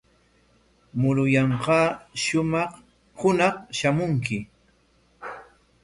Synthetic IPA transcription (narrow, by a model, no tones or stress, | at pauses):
mʊɾʊjɑɴqɑːʃʊmɑχ | hʊnɑχʃamʊŋkɪ